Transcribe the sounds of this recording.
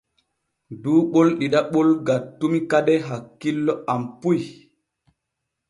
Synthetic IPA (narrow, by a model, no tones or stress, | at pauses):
duːɓolɗiɗaɓolɡatːumikaɗɛɦakːilːɔampuj